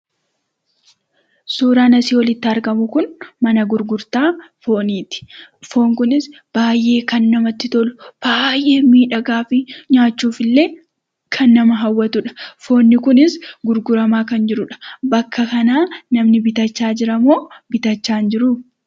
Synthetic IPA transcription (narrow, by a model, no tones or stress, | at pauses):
suːɾaːnɐsiːwɔlɪt̪ːɪɐɾɡɐmʊkʊnmɐnɐɡʊɾɡʊɾt̪aːfo̞ːniːt̪ɪ̥fo̞ːŋkʊnɪs | b̥aːjʔe̞ːkɐnːɐmɐt̪ːɪt̪ɔlʊb̥aːjʔe̞ːmiːᶑɐɡaːfɪɲaːt͡ʃːuːfɪlːe̞ː | kʰɐnːɐmɐɦɐwːɐt̪ʊᶑɐ̥fo̞ːnːɪkʊnɪsɡʊɾɡʊɾɐmaːkɐnd͡ʒɪɾʊᶑɐ̥bɐkːɐkɐnaːnɐmnɪbɪt̪ɐt͡ʃːaːd͡ʒɪɾɐmoːbɪt̪ɐt͡ʃːaːnd͡ʒɪɾʊ